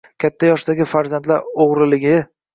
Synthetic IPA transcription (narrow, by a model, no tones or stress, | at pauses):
kʲʰat̪ʰːajɒʃd̪aɡʲɪfaɾzand̪laɾoʁɾɪlɪɡʲɪ